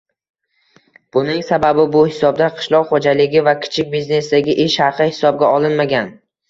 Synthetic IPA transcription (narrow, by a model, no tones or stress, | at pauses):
b̥ʊnɪŋsababɪbʊhɪsɒb̚d̪aqʰɨ̥ʃlˠɒqχod͡ʒalɪɡʲɪvakʲʰɪ̥t͡ʃʰɪk̚ʲbizne̞sd̪aɡʲɪʔeʃhɑqʰɨhɪ̥sɒb̚ɡʲaɒlˠɪnmaɡʲan